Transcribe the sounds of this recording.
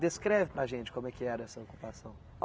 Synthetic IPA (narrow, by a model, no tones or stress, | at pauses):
d̪eskɾɛvɪpɾɐʒẽnt͡ʃɪ̥kõmʊɛkɪɛɾɐɛsɐoku̥pasɐ̃w̃